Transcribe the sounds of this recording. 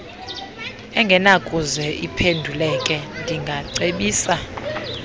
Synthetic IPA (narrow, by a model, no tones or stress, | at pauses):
ɛŋɡʱɛnakʼuzɛʔipʰendʱulɛkʼɛndʱiŋɡʱaǀeɓiːsa